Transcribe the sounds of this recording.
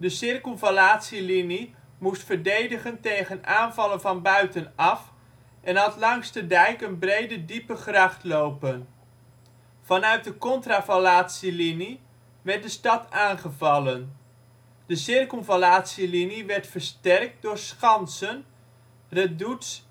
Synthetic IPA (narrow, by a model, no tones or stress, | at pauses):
dəsɪrkolˠvalaːtsilini | mustfəɹdejdəχəntejχənaːnvɑlənvɑnbœɥtənɑf | ʔɛnɦɑtlɑŋstədɛjkənbrejdədipəχrɑχtlowpən | v̥ɑnœɥt̚dəkɔntraːfalaːtsilini | ʋɛɹt̚dəstɑtʰaːnχəvɑlən | dəsɪrkl̩ˠvalaːtsiliniʋɛɹtfəɹstɛrk̚dʊːɹsχɑnsən | rɛduts